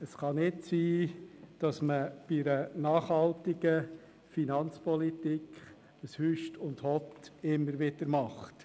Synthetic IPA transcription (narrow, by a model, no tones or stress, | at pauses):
əsχɑnɪtsiːd̥ɑsməb̥iɾənɑːχhɑltiɡə | finɑnt͡spɔlit̪ikʰχ | əshyʃtʊndhɔtɪmːəɾʋɪd̥əɾmɑχt